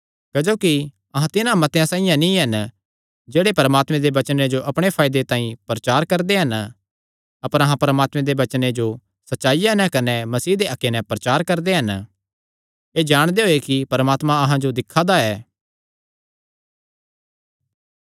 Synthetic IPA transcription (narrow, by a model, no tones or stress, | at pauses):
kɐd͡ʒoːki | ɐɦãt̪ɪnãmɐt̪ejãsãːɪijãnĩɦɐn | d͡ʒeːɽepɐɾəmaːt̪mɛ̃d̪eʋɐt͡ʃəned͡ʒoʔɐpɽ̃epʰaːɪd̪et̪ãːĩpɾɐt͡ʃaːɾkɐɾd̪eɦɐn | ɐpəɾɐɦãpɐɾəmaːt̪mɛ̃d̪eʋɐt͡ʃned͡ʒo | sɐtːʃaːijanɛ̃kɐnɛmɐsiːd̪eʔɐkːenɛ̃pɾɐt͡ʃaːɾkɐɾd̪eɦɐn | eːd͡ʒaːɽ̃d̪eɦoːekipɐɾəmaːt̪mãɐɦãd͡ʒod̪ɪkʰːad̪aɛː